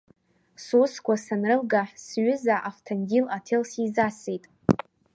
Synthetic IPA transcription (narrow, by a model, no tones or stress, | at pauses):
suskʷasanrɨlɡaħsɥʏzaʔaftʰanɡʲilatʰelsizasejtʼ